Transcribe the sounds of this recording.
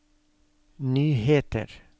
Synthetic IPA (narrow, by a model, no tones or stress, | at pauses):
nyːheːt̪ə̰ɾ